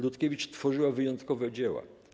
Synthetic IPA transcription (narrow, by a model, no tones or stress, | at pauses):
lut̪kʲevʲit͡ʂt̪fɔʐɘwavɘjɔnt̪kɔvɛd͡ʑewa̰